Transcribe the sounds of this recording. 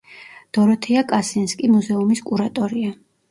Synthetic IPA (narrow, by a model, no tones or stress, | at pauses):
d̪̥ɔɾɔt̪ʰɛakʼasinskʼimuzɛumiskʼuɾat̪ʼɔɾia